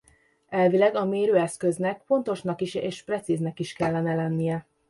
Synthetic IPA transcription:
ɛlvilɛɡɒmeːɾøːɛskø̞znɛkfo̞nt̪o̞ʃnɒkiʃeːʃprɛt̪siznɛkiʃkɛlːɛnɛlɛnːijɛ

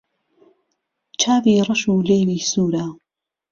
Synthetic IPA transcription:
t͡ʃʰaːviːrɐʃuːleːwiːsuːɾaː

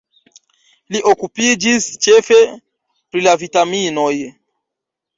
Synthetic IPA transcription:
liʔo̞kupid͡ʒist͡ʃe̞fe̞ | pɾilavitamino̞j

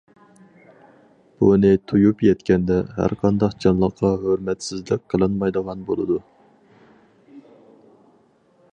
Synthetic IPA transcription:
b̥unɪt̪ʰujupjɛt̪kʲɛnd̪ɛɦæ̰ɾqʰɑnd̪ɑqd͡ʒɑnlˠəqʰːɑɦøɾmɛt̪sɪzlɪk̚ʲqʰəlˠɨnmɑjd̪əʁɑnbolˠɨd̪u

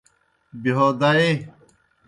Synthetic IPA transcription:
biɦoːd̪ae

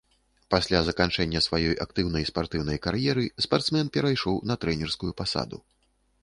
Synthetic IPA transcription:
pasʲlʲazɐkant͡ʂɛnʲːɐsvajɔjʔak̚t̪ɨwnɐjspart̪ɨwnɐjkaɾjɛɾɨspart̪smɛnpʲɛɾajʂɔwnɐt̪ɾɛnʲɛrskujupasa̰d̪ṵ

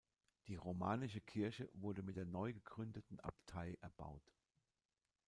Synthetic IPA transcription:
d̥iːʁoma̰ːnɪʃəkʰɪɐçəvʊɐdəmɪt̚d̥eːɐnɔʏɡəɡʁʏndətn̩ʔa̰ptʰaɪʔɛɐba̰ʊt

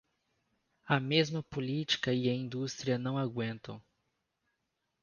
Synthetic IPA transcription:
ɐmezmɐpolit͡ʃi̥kɐɪɐĩnd̪ust̪ɾiɐnɐ̃w̃aɡwẽnt̪ɐ̰̃w̃

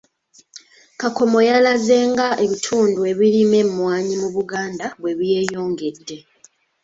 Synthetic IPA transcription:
kako̞mo̞jalaze̞ːŋɡaʔe̞βitʰuːndue̞βilime̞mːwaːɲimuβuɡaːndaβwe̞βije̞ːjo̞ːŋɡe̞dːe̞

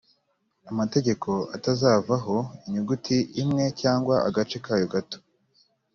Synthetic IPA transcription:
amate̞ɟe̞kʰo̞atazaːvaɦo̞iɲuɡutʰiʔimŋe̞caːŋɡwaa̰ɡat͡ʃe̞kaːjoɡato̥

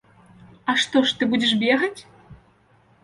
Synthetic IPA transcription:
aʂt̪ɔʂt̪ɨbudʲɛʂbʲeɣɐt͡sʲ

